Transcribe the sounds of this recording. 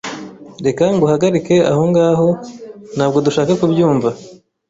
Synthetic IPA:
ɾe̞kaŋɡuhaɡaɾike̞a̰ho̞ŋɡaːɦo̞nhaːb̚ɡo̞duʃaːkakubjuːɱva

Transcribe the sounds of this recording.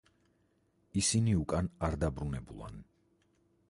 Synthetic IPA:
isiniukʼanaɾd̪abɾunɛbṵlˠa̰n

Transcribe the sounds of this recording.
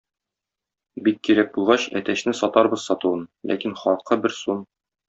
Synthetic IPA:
bikːiɾæk̚buʁɑɕæ̰t̪æɕnɘsɒt̪ɑɾbɤz̥sɒt̪uɤnlʔæ̰kinχɒlˠqɤbɘɾsun

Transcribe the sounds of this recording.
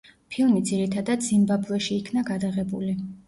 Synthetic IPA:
pʰilˠmid̪ziɾit̪ʰad̪ad̪zimbablˠɛʃiːkʰnaɡad̪aʁɛbuli

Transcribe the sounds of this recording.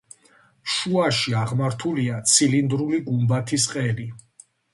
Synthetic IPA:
ʃuaʃiaʁmaɾt̪ʰuliat̪sʰilind̪ɾuliɡumbat̪ʰisqʼɛli

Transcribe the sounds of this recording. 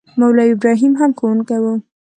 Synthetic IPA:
mawlɑɪbɾɑɦimɦamkowunkawə

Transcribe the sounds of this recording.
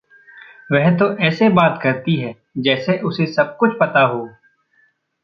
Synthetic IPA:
ʋɛɦt̪oʔɛːsebaːt̪kɐɾt̪iɦɛː | d͡ʒɛːseʔʊsesɐb̚kʊt͡ʃʰpɐt̪aɦoː

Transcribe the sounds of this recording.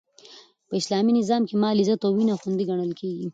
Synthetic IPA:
pəɪslɑminɪzɑmkemɑlizat̪owinaxund̪iɡaɳəlkʰeɡi

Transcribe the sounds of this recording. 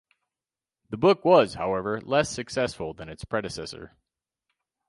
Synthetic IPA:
ðəbʊkwʌz̥haʊɛvə˞lɛsɨksɛsfl̩ˠðɨ̃nɨtspʰɹ̥ɛɾɨsɛ̰sə̰˞

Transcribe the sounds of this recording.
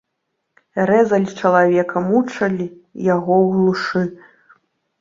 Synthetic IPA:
ɾɛzɐlʲt͡ʂɐlˠavʲɛkʰɐmut͡ʂɐlʲijaɣɔwɣlˠuʂɨ

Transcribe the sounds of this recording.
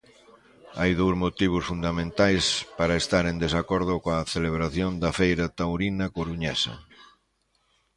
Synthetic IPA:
ajðowzmot̪iβ̞ʊsfund̪amẽnt̪ajspaɾɐest̪aɾend̪esakɔɾð̞ʊkoaθeleβ̞ɾaθjond̪ɐfejɾɐt̪awɾinɐkoɾuɲɛsɐ̰

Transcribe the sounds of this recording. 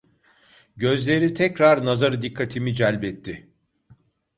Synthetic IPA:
ɟø̞zlʲe̞ɾit̪ʰɛcɾaɾnazaɾɯd̪ikʰːat̪ʰimid͡ʒɛlʲbɛt̪ʰːɪ

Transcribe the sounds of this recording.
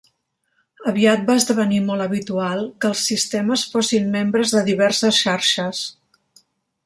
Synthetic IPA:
əβiat̪̚baəzðəβ̞ənimɔlˠəβit̪ualˠkəːlˠsːist̪ɛməsfosimːembɾəzðəðiβ̞ɛrsəsʃaɾʃəs

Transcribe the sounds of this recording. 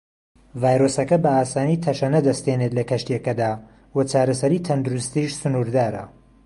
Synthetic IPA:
vaːjɾoːsɐkɐbɐaːsaːnit̪ʰɐʃɐnɐd̪ɐst̪ene̞t̪lɐkɐʃt̪ijɐkɐd̪aː | wɐt͡ʃʰaːɾɐsɐɾiːt̪ʰɐnd̪uɾust̪iːʃsʊnuːɾd̪aːɾɐ̰

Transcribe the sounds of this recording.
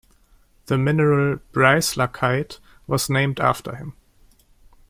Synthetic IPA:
ðəmɪnəɹəlb̥ɹaɪslakʰaɪt | wʌznẽɪ̃mdæ̰ftʰə̰˞hɪ̃m

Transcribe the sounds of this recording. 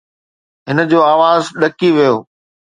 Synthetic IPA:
ɦɪnə̆d͡ʑoːaːʋaːzɗɐkiʋijoː

